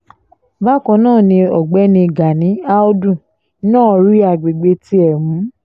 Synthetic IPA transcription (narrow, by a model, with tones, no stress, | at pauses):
ba˦kɔ̃˧˦nãː˦˨nĩ˧ɔ˨ɡ͡bɛ˨˦nĩ˧˨ɡa˨nĩ˨˦a˦o˦dũ˦˨˦ | nãː˦˨˧ɾi˦a˧˨ɡ͡be˨ɡ͡be˧ti˦ɛ˨mũ˨˦